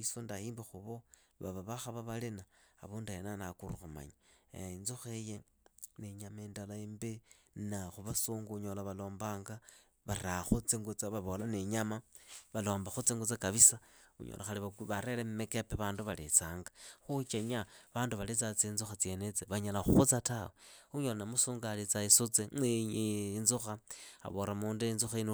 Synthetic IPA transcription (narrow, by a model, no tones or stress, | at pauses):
isondaiːmbixuβoβa̰βaβaxaβaβalinaa̰βuːnduenanakuɾuxuma̰ɲanzoxeje | neɲamaendalaembe | naxuβasuːŋɡuɲolaβalo̞ːmbaːŋɡa | βaɾaxut͡siŋɡut͡saβaβolaneɲamaβalo̞ːmbaxut͡siŋɡut͡sakaβisaṵɲo̰lʔa̰xaliβaβaɾelemumekepeβaːnduβalḛt͡saːŋɡaxut͡ʃeɲaβaːnduβalit͡sat͡siːnzuxat͡sje̞net͡seβaɲalaxuxut͡sataweuɲolanamusuːŋɡalit͡saisut͡seeɲinzuxaa̰βoɾamuːndiinzuxain